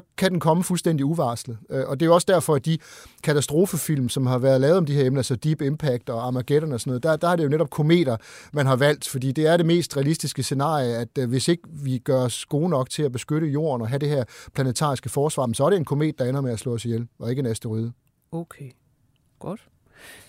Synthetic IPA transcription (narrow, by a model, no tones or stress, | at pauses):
kʰæd̥enkʰɒ̽məfulsd̥en̰d̥iuʋɑ̈ːslð̩ˠøʔɒ̽d̥e̝joɒ̽sd̥æɐfɒ̽æd̥ikʰæt͡sʰæsd̥ʁo̝ːfəfil̰msɒ̽mɦɑ̈ʋæɐð̞ˠlɛːʊðˠɒ̽md̥iheɐemnɐæsɒd̥ib̥empʰæɡ̥̚d̥ɒɑ̈mæɡ̥eɾ̥ɐnəɒsɒnɔ̽ð̩ˠd̥ɑ̈d̥ɑ̈hɑɐɾ̥e̝jo̝neɾɒ̽b̥̚kʰo̝me̝̰ːd̥ɐmænɦɑ̈ʋæl̰d̥fɒ̽dḭːd̥e̝æɐɾe̝me̝̰ːsd̥ʁɛælisd̥isɡ̥əse̝nɑ̰̈ːijəæd̥ʋe̝se̝ɡ̥əʋiɡ̥ɶɐɒsɡ̥o̝ːnɒ̽ɡ̥̚t͡sʰe̝læb̥e̝sɡ̥øɾəjo̝̰ɐ̰nɒ̽ɦæɾe̝ɦæɐ̰pʰlænət͡sʰɑ̰̈ːisɡ̥əfɒːsʋɑ̈ːmensɒ̽æɐɾeenkʰo̝me̝̰ːd̥̚ːɑ̈enɐmeæslɔ̰̽ːsjelɒ̽e̝ɡəenæsd̥əʁyð̞ˠə | okʰe | ɡ̥ɔd̥